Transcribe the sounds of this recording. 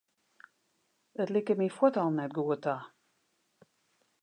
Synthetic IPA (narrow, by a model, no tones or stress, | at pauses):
ətlɪkəmifwɔtɔlˠnɛt̚ɡuəta